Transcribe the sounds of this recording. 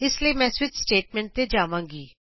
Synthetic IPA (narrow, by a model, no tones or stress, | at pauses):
ɪslieːmɛ̃ːswɪt͡ʃsʈeːʈ̚mɛ̃ːɳʈ̚t̪eːd͡ʒaːʋãːŋɡiː